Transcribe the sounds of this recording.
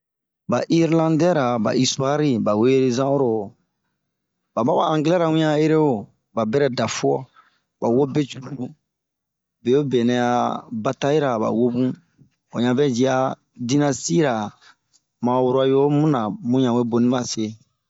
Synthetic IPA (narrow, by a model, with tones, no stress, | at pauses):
ba˨ʔi˦ɾlã˦ndɛ˦ɾa˨ba̰˨i˦sua˦ɾi˦ba˨we˦e˦ɾe˦zã˦o˦ɾo˨ | ba˨ba˦ba˨ã˨ŋɡlɛ˦ɾa˨wũ˦ɲã˦e˦ɾe˦o˨ | ba˨bɛ˦ɾɛ˦da˨fu˦ɔ˦ | ba˨wo˦be˦t͡ʃu˨ɾu˨u˨˦ | be˨jo˦be˨nɛ̃˨a˨ba˨ta˦ji˦ɾa˨ba̰˨wo˦bũ˦ | o˨ɲã˨vɛ˦d͡ʒi˨a˦ | di˦na˦si˦ɾa˨ | mã˨wu˦ɾa˨jo˦mũ˦nã˨mũ˦ɲã˨we˦bo˨nĩ˦ma˦se˨